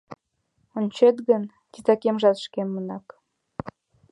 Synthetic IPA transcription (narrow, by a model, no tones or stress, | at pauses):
onʲt͡ɕet̪ɣən | t̪it̪ɑkemʒɑt̪ʃkemːənɑk